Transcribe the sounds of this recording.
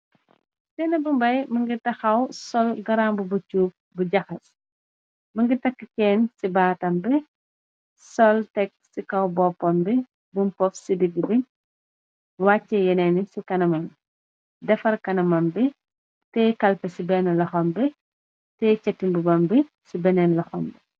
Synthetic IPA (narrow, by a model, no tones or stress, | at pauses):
tɛːnɐbumbɐjmɐŋɡitɐxɐwsɔlɡɐɾambubɐt͡ʃuːp̚buɟɐxɐs | mɐŋɡitɐkːəkɛːnsibaːtɐmbɛ | sɔltɛk̚sikɐwbɔpːɐmbɛ | bumpɔfsidiɡibi | waːt͡ʃːɛjɐnɛːnisikɐnɐmɐm | dɛfɐrkɐnɐmɐmbɛ | tɛkɐlfɐsibɛnɐlɐxɔmbɛ | tɛt͡ʃɛtːimbubɐmbɛ | sibɛnɛnlɐxɔmbɛ